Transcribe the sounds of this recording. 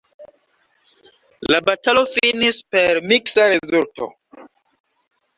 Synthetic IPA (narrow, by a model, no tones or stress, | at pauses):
labatalo̞finispe̞ɾmiksaɾezulto̞̰